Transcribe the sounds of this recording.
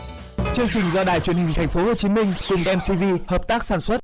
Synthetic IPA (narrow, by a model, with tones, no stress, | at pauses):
t͡ɕɨ˧əŋt͡ɕï˨˩ŋ̟zɔ˧ɗaː˨˧˩jt͡ɕwi˧˩ənhï˨˩ŋ̟t̪ʰɛ˨˩ŋ̟fo˨˦ho˨˩t͡ɕi˨˦mï˧ŋ̟kʊ˨˩ŋ͡mɗɛ˧msi˧vi˧həː˨˩p̚t̪aː˦˥k̚saː˧˩nswə˦˥t̚